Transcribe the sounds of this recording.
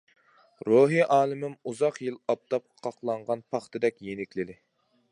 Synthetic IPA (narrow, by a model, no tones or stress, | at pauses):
ɾoɦiʔɑːlˠɨmɪmuzɑqjilˠɑp̚t̪ʰɑp̚qʰɑqlˠɑɴʁɑnpʰɑχt̪ʰɨd̪ɛkʲjenɪkʲlɪd̪ɪ